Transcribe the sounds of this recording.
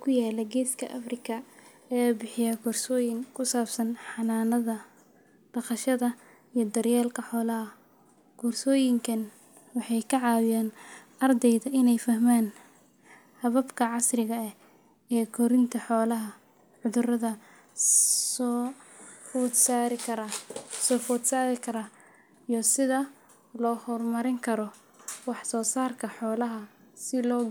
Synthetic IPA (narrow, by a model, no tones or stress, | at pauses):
kʰʊjaːlɐɡɛːskʰɐʔɐfrɪkʰɐ | ɛbɪħɪjɐɡʊrsɔːjɪŋkʰʊsaːbsɐnħɑnaːnɐðɐ | d̪̥ɐqɑʃɐðɐ | ijɞd̪ɐrjɛːlkʰɐħɔːlɐɦɐ | ɡ̥uːrsɔːjɪŋkʰɐn | wɑħɑjkʰɐʕɑːwɪjaːn | ɐrd̪ɛjðɐʔɪnɛjfɐɦmaːn | hɐβɐbkʰɐʕɑsrɪɣɐɛ | ɛːkʰɔɾɪnt̪ʰɐħɔːlɐɦɐ | ʕʊðʊrɐðɐ | fusaɪkʰɐsɔːfɔd̪saːɾɪkʰɐɾɐ | ijɔsɪðɐ | lɔːhɔrmɐɾɪŋkʰɐɾɔ | wɑħsɔːsaːrkʰɐħɔːlɐɦɐ | sɪlɔːɡ